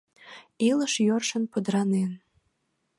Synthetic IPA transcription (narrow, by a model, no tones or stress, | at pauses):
iləʃjørʃənpəd̪ɾɑnen